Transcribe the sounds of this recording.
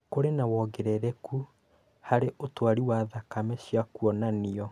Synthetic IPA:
koɾenawɔɡɛɾɛɾɛku | haɾeʔotwaɾiwaðakamɛɕjakuɔnaniɔ

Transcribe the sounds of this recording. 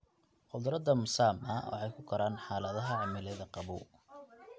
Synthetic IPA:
ʔʊðʊɾɐd̪ɐmʊsaːmɐ̰wɑ̰ħɛjkʰʊkʰɐɾaːnħaːlɐðɐɦɐʕɑmɪlɛðɐqɑβṵː

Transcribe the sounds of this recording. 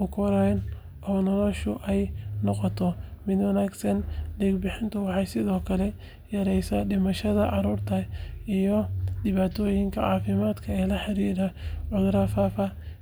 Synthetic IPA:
ʊkʰɔɾɛjn | ʔɔːnɔlɔʃʊʔɛjnɔqɔt̪ʰɔmɪd̪wɐnaːɡsɐnlɛːɡbɪħɪnt̪ʰʊwɑħɑjsɪðɔːkʰɐlɛ | jɐɾɛjsɐɖɪmɐʃɐðɐʕɑɾuːrt̪ʰɐijɔdɪβaːt̪ʰɔːjɪŋkʰɐ̰ʕɑ̰ːfɪmaːd̪kʰɐɛːlɐħɑɾiːɾɐʕɔɣɾɐfaːfɐ

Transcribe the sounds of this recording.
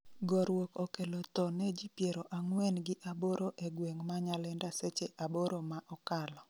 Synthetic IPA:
ɡɔɾwokɔkelot̪ɔnɛd͡ʒipjeɾoʔaŋwɛnɡɪʔaboɾoʔeɡweŋmaɲalɛndaset͡ʃeʔaboɾomaʔɔkalɔ

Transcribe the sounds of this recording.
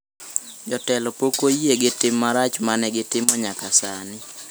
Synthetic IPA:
d͡ʒɔtɛlɔpokoieɡɪtɪmːaɾat͡ʃmanɛɡɪtɪmɔɲakasanɪ

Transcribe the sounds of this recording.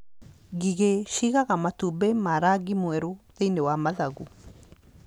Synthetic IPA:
ɡiɡeʃiɣaɣamat̪ubemaɾaɡimueɾuðenewamaðaɡu

